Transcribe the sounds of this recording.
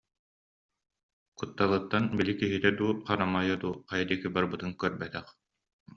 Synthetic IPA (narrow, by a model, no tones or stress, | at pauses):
kut̪ːalɯt̪ːanbilikiɦit̪ɛd̪uːχanamajɯd̪uːqajd̪ikibaɾbɯt̪ɯŋkœɾbɛt̪ɛχ